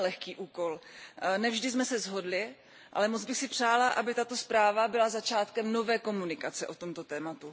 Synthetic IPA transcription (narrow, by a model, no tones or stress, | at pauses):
lɛxkiːʔuːko̞lnɛvʒdɪsmɛsɛzɦo̞dlɪ | ʔa̰lɛmod͡zbɪxsɪpr̝̥aːlaʔabɪt̪at̪o̞spɾaːvabɪlazat͡ʃaːt̪kɛmno̞vɛːko̞munɪkat͡sɛʔo̞t̪o̞mt̪o̞t̪ɛːmat̪u